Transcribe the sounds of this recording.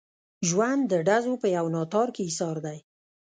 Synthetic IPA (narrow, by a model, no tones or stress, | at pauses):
ʒwand̪ːəɖazopəjawnɑt̪ɑɾkeisɑɾd̪aj